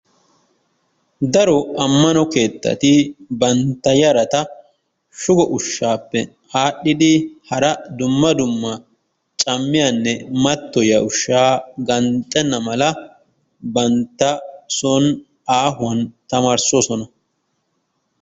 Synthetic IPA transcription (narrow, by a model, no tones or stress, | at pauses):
d̪ɐɾɔɐmːɐnɔke̞ːt̪ːɐ̰t̪ɪbɐnt̪ːɐjɐɾɐt̪ɐ | ʃʊɡɔʔʊʃːaːpːɛ | aːɗːɪd̪ɪhɐɾɐd̪ʊmːɐd̪ʊmːɐ | t͡ʃʼɐmːɪjɐnːɛmɐt̪ːɔjɐʊʃːaːɡɐnt̪ʼːɛnːɐmɐlɐ | bɐnt̪ːɐsɔn | aːɦʊɐnt̪ɐmaːɾsoːsɔnɐ